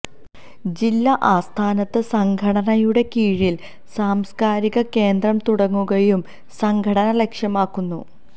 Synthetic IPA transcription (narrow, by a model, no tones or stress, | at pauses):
d͡ʑilːɐʔaːst̪ʰaːnɐt̪ːɨsɐŋɡʱɐɽɐnɐjuɽe̞kiːɻil | saːmskaːɾiɣɐke̞ːnd̪rɐmt̪uɽɐŋːuɣɐjum | sɐŋɡʱɐɽɐnɐle̞kʂjɐmaːkːunːṵ